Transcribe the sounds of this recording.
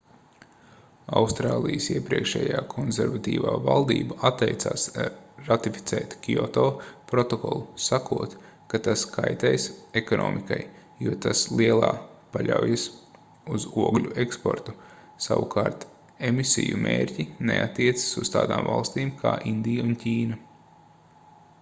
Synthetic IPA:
awst̪ɾaːlˠijəsiɛpɾiɛkʃɛ̰ːjaːkʰɔnzʲɛɾvat̪iːvaːvalˠd̪ḭːbaʔat̪ːɛjt̪saːsɾat̪ifi̥t̪sɛ̰ːt̪kʲiɔt̪ɔːpɾɔt̪ɔkɔlˠusakuɔt̪ | kat̪askʰajt̪ɛjsekɔnʔɔ̰ːmikaj | juɔt̪aslˠiɛlˠaːpaʎʲawjas | uzuɔɡlʲuekspɔ̰ɾt̪u | saʋukʰaːɾt̪ | emisḭjumʔḛːɾʲcʲinḛʔat̪ːiɛt̪sɪ̥suz̥t̪aːd̪aːmvalˠst̪iːmkʰaːʔind̪ijaunciːnɐ

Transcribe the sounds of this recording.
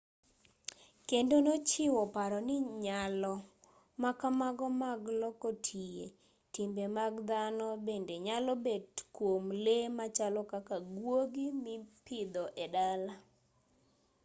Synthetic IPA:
kendonot͡ʃɪwɔpaɾɔnɪɲalɔ | makamaɡɔmaɡlɔkotʰijḛ | timbemaɡd̪anɔbendeɲalɔbedkwomlemat͡ʃalɔkakaɡwoɡimipɪd̪ɔʔɛdala

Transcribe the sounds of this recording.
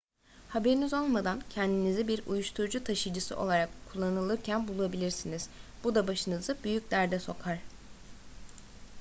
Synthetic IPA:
habe̞ɾinizo̞lˠmad̪ancʰɛnd̪inizibiɾṵjuʃt̪ʰuɾd͡ʒut̪ʰaʃɯd͡ʒɯsɯ̰ʔo̞lˠaɾakʰːulˠːanɯlˠɯɾcʰænbulˠuabilʲiɾsiniz̥b̥ud̪abaʃɯnɯzɯbyjyc̚ʲd̪æɾd̪ɛso̞kʰaɾ̥

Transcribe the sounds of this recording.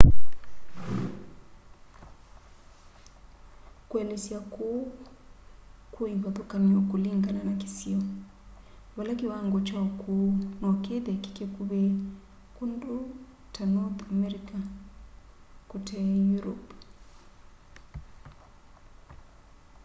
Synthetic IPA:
kwɛlesjako | kuiβaðokaniɔkuliŋɡananaki̥siɔ | βalakiwaŋɡot͡ʃakʰunakeðɛki̥kekuβe | kundu | tanɔt̪amɛɾika | kutʰɛjuɾɔp

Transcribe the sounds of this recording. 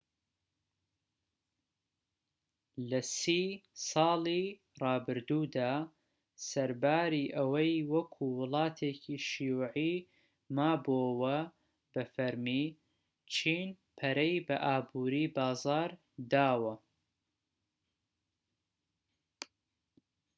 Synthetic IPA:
lɐsiːsɑːlˠi | rɑːbɨɾd̪uːd̪aː | sɐɾbaːɾiːʔɐwɐjwɐkʰuwɨlˠɑːt̪ʰeːcʰiʃijuːʕi | maːbowɐ | b̥ɐfɐɾmi | t͡ʃʰiːn | pʰɐɾɛjbɐʔaːbuːɾiːbɑːzɑːɾ | d̪aːwɐ

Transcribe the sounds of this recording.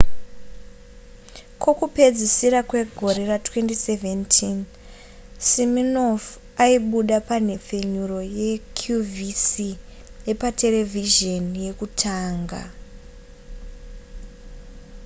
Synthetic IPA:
kwo̞kupe̞d͡zisiɾakwe̞ɡʱo̞ɾe̞ratwe̞ntise̞ve̞ntʰin | siminof | aiɓuɗapan̤e̞p͡fe̞ɲuro̞je̞kʰjuvisi | jepate̞le̞vʱiʒonje̞kutʰaːŋɡa̰

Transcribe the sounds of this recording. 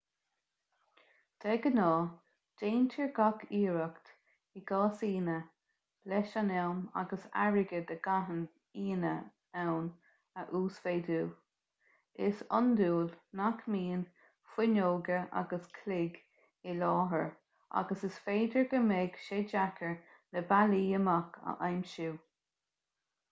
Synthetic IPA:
d̪̥ɛɡənɑː | d̥eːnt̪ʰəɹɡakiːɹəkt̪ | ɪɡ̥ɑːsiːnə | b̥lɛʃanɛwma̰ɡəsa̰ɹɪɡəd̪əɡaɦən | iːnə | awn | əʔuːsfeːduː | ɪsɔ̰nd̪uːlnakmiːn | fɪnoːɡəʔa̰ɡəskʰlɪɡ | ɪlɑːɦəɹ | a̰ɡəsɪsfeːd̪əɹɡəmɛɡ̥ʃeːd͡ʒakʰəɹ | ləbaliːəmakʰə̰ʔajmʃuː

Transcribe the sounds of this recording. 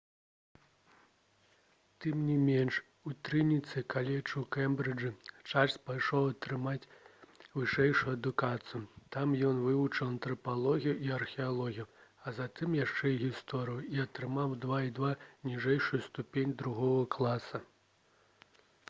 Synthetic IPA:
t̪ɨmnʲimʲɛnʂ | ut̪ɾɨnʲit̪sɨkalʲɛt͡ʂuwkɛmbɾɨd͡ʐɨt͡ʂasʲpajʂɔwɐt̪ɾɨmat͡sʲvɨʂɛjʂujuɐd̪ukat̪sɨjut̪amjɔnvɨvut͡ʂɨwɐnt̪ɾɐpalˠɔɣʲijuiɐrxʲɛalˠɔɣʲijuɐzat̪ɨmjaʂt͡ʂɛjiɣʲist̪ɔɾɨjuiɐt̪ɾɨmawd̪vaid̪vanʲiʐɛjʂujust̪upʲenʲd̪ɾuɣɔɣɐklˠasɐ

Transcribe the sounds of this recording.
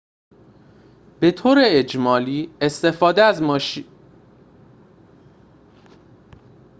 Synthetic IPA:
b̥e̞t̪ʰoːɾeed͡ʒmɒːliːest̪e̞fɒːd̪eæzmɒːʃiː

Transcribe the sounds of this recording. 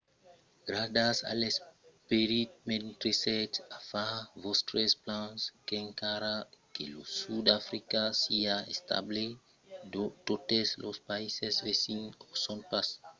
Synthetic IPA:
ɡɾadasa̰lespeɾit̪̚ment̪ɾesɛt̪afavɔst̪ɾesplãskeẽŋkaɾakelosud̪afɾikasiaest̪a̰ble | ot̪ot̪eslospaisesvesinosõnpas

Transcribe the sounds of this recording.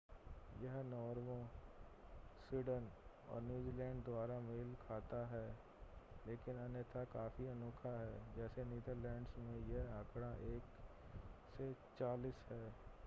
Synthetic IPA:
jɐɦnɔːɾʋõ | swiːɖən | ɔ̰ːɾnjuːziːlɛ̃ːɳɖ̚d̪waːɾameːlkʰaːt̪aɦɛː | leːkɪnɐnjət̪ʰakaːfiɐnoːkʰaɦɛːd͡ʒɛːseniːd̪əɾlɛ̃ːɳɖsmẽjeɦɐkɽ̃aʔeːk | set͡ʃaːliːsɦɛː

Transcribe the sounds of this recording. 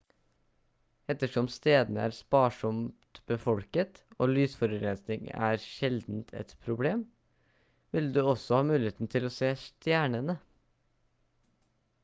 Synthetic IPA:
ɛt̪əʂɔmst̪eːd̪nəæ̰ːɾspɑːʂɔmt̪t̪bəfɔlkət̪o̰ːlyːsfɔɾʉɾɛnsnɪŋ̰æ̰ːɾʃɛld̪n̩t̪ʰɛ̰t̪pʰɾʊbleːm | ʋɪld̪ʉːɔsɔhɑːmʉːlɪeːt̪n̩t̪ʰɪloːseːst̪jæːɳənə

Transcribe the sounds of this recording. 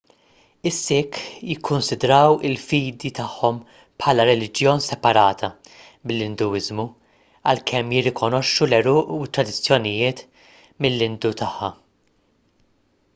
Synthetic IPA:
ɪsːɪkːjɪkʰːʊnsɪd̪ɾɐwɪlfiːd̪it̪ɐħːɔm | pħɐːlɐɾɛlɪd͡ʒjɔːnsɛpɐɾɐːt̪ʰɐ | mɪlːɪnd̪uɪzmu | ɐlkʰɛmjɪrːɪkɔnɔʃːulɛɾʊːʔwɪt̪ːɾɐd̪ɪt͡sːjɔnɪjɪːt̪ | mɪlːɪnd̪ut̪ɐħːɐ

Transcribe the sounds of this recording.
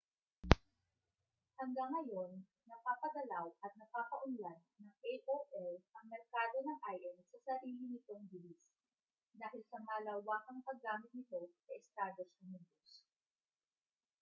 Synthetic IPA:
hɐŋɡaŋːɐjo̞nː | ɐpaːpɐd̪ɐlawʔɐt̪̚nɐkaːkɐʔʊnlanːɐŋʔejʔoʔɛlʔɐŋmɛɾkaːd̪o̞nɐŋʔajʔɛnsɐsɐɾiːlɪnɪt̪o̞ŋbɪlis | d̪aːhɪlsɐmaːlɐwaːkɐŋkɐɡaːmɪt̪̚nɪt̪o̞sɐʔɪst̪aːd̪osɐmind̪os

